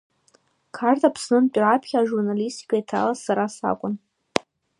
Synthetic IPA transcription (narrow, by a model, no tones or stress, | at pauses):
kʰartʼapʰsnɨnt͡pʲʷʼrapʰχʲaaʒurnalistʰikʰʲaitʰa̰lasaɾasa̰kʷʼʊn